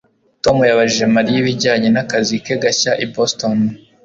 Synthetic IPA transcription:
to̞mujaβaʒiʒemaɾijiβiɟaːɲe̞nakazikeɡaçaʔiboston

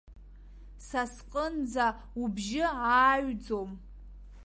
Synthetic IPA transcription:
sasqʼənd͡za | ubʒɪaːɥd͡zom

